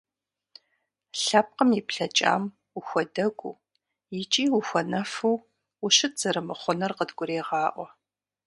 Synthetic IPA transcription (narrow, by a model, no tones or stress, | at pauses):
ɬɐp̚qəmipɬɐt͡ʃʼa̰ːm | uxʷɔdɐɡʷṵː | jɪt͡ʃʼiːwuxʷɔnɐfuw | ʊʃɨtz̥ɐɾɨmɨχʷʊnɐrqədɡʷʊɾeːʁɑːʔʷɔ